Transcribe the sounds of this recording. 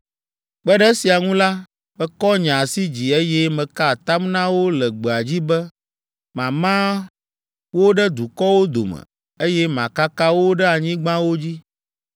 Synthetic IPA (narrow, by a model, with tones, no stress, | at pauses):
k͡pɛ˦ɖɛ˦si˨a˨ŋũ˦la˦ | bɛ˦kɔ˦ɲã˨si˦d͡ʑi˨e˦jɛ˦mɛ̃˨ka˦˨t̪a˦mnã˦wo˦lɛ˨ɡ͡bɛ˨a˨d͡ʑi˦bɛ˦ | mã˨mã˦ | wo˦ɖɛ˦d̪u˨kɔ˦wo˦d̪o̰˨mɛ̰˨ | e˦jɛ˦mã̰˨ka˦ka˦wo˦ɖɛ˦a˨ɲĩ˦ɡ͡bã˦wo˦d͡ʑi˦